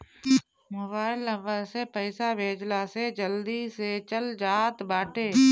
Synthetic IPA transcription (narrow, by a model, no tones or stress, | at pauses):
mʊbaːɪlːə̃mbəsepəɪsabʱeːd͡ʒlaːsed͡ʒəld̪iset͡ʃəld͡ʒaːt̪baːʈeː